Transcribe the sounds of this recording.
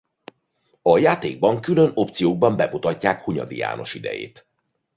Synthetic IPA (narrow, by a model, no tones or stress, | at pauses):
ɒjaːt̪eːɡ̚bɒŋkyløno̞p̚t̪sijoːɡ̚bɒmbɛbut̪ɒcːaːkhuɲɒ̰d̪ḭja̰ːno̞ʃid̪ɛ̰jḛːt̪